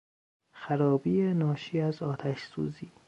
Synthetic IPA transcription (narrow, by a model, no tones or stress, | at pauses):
xæɾɒːbiːenɒːʃiːæzɒːt̪ʰæʃsṵːziː